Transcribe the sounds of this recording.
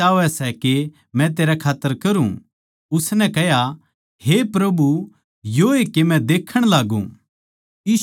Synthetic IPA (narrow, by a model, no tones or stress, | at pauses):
aːʋɛsɛke | mɛ̃t̪eːɾakʰaːt̪ːəɾkɐɾṵ̃ | ʊsnɛkɛɦja | hepɾɐbu | joekemɛ̃d̪eːkʰəɽ̃laːɡṵ̃ | iː